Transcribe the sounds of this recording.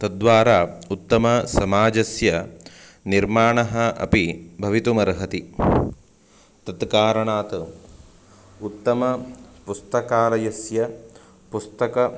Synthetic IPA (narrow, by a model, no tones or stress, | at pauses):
t̪ɐd̪ʋaːɾaːut̪ːɐmɐsɐmaːd͡ʒɐsjɐ | niɾmaːɳɐɦɐɐ̰pibʱɐʋit̪umɐɾɦɐt̪i | t̪ɐt̪kaːɾɐɳaːt̪ | ut̪ːɐmɐpust̪ɐkaːɾɐjɐsjɐ | pust̪ɐkɐ